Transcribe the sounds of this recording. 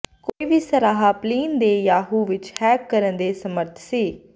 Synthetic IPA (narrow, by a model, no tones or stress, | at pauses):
koːiːʋiːsəɾaːɦaːpliːnd̪eːjaːɦuːʋɪt͡ʃhɛːkːəɾə̃nd̪eːsəməɾt̪ʰsiː